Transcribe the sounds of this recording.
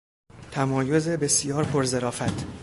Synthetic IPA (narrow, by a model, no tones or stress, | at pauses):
t̪ʰæmɒːjo̞ze̞be̞sijɒːɾpʰoɾze̞ɾɒːfæt̪ʰ